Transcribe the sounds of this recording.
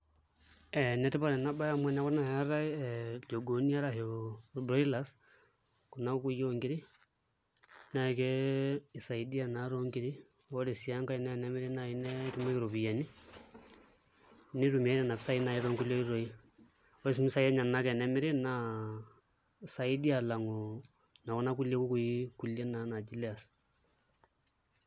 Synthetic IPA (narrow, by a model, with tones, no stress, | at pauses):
ɛ˨nɛ˦tɪ˦ba˦ɾɛ˨na˦ba˦ja˦mwɛ˦na˦βɔ˦na˨hɛ˦ɾa˦ɛd͡ʒo˨ɡo˨ni˦a˦ɾa˨ɦo˨bɾɔ˦i˦la˦s | ku˨na˦ku˦joŋɡi˦ɾi˦ | na˨i˨kɛ˦i˨sa˨idi˦a˦˨na˨ɾo˦ŋɡi˦ɾi˦o˦de˨sja˦ŋka˦i˨nɛ˨nɛ˦mɪ˦ɾi˦na˨i˦nɛ˦tu˦mɛ˦ki˦ɾo˨βi˨ja˨ni˦ | ni˦tu˨m˨ɛ˦nɛ˦˨na˨bsa˦i˦na˨i˦ðɔ˦ŋɡu˦ljo˦i˦ɾo˨i˦ | ɔ˦i˦s̬mi˦sa˦ɛ˦ɲa˨na˨˦kɛ˨nɛ˦mɪ˦ɾi˦na˦ | sa˨ɪ˦di˦a˨la˨ŋo˨ | na˨ku˦na˦ku˦lje˦ku˦ku˨i˦ku˨lje˦na˨˦na˨d͡ʒi˦li˦a˨s